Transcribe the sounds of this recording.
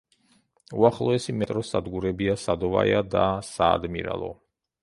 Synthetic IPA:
uaχlˠɔɛsimɛt̪ʼɾɔsad̪ɡuɾɛbiasad̪ɔva̰jad̪asaːd̪mḭɾa̰lˠɔ̰

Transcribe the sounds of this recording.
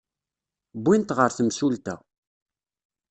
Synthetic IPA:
bːint̪ʁəɾθəmʃult̪æ̰

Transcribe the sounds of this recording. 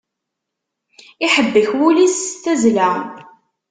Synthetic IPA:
ɪħəbːəçwulisθæzlæ

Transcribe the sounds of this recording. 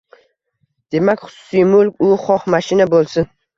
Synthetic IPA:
d̪̥e̞makʲχʊ̥sʊ̥sijmʊlkʲʊχɒqmaʃɪnabolˠsɪn

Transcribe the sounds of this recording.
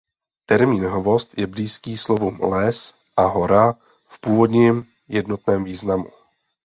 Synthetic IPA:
t̪ɛɾmiːnɦovo̞st̪jɛbliːskiːslovumlɛs | ʔaɦoɾa | fpuːvo̞dɲɛm | jɛdno̞t̪nɛːmviːznamu

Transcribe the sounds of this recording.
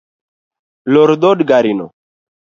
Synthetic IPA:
lɔɾd̪odɡaɾino̰

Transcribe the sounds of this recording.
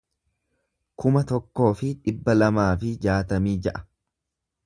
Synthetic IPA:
kʊmɐt̪ɔkːo̞ːfɪᶑɪbːɐlɐmaːfɪd͡ʒaːt̪ɐmiːd͡ʒɐʔɐ̥

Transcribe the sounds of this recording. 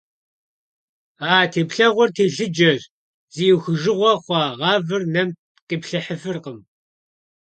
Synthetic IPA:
aːtʰeːpɬɐʁʷɔrtʰeːɬɨd͡ʒɐr | zijuwxɨʒɨʁʷɔχʷɑːʁɑːvɨrnɐm | qʼipɬɐħəfɨrqəm

